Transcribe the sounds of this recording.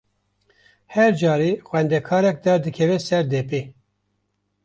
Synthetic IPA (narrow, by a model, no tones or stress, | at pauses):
hɛɾd͡ʒɑːɾeːxwɛnd̪ɛkʰɑːɾɛk̚d̪ɑɾd̪ɨkʰɛvɛsɛɾd̪ɛpeː